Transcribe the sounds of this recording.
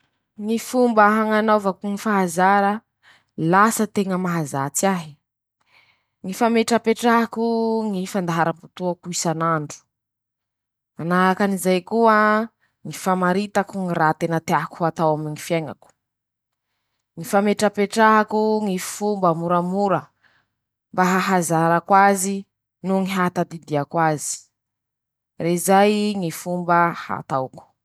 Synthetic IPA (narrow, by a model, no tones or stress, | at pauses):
ŋifumbəɦaŋanavakuŋifaɦazaɾə | lasət̪eŋəmaɦazat͡saɦi | ŋifameʈ͡ʂəpeʈ͡ʂaɦakuŋifand̪aɦaɾamput̪uakuisanaɳɖ͡ʐu̥ | anaɦakanizajkua | ŋifamaɾit̪akuŋirat̪enət̪eaɦkuhat̪awamiŋifjeŋa̰ku̥ | ŋifameʈ͡ʂapeʈ͡ʂaɦakuŋifumbəmuɾamuɾə | mbaɦaɦazaɾakwazi | nuŋiɦat̪ad̪id̪iakwazi̥ | rezajŋifumbəha̰t̪awku̥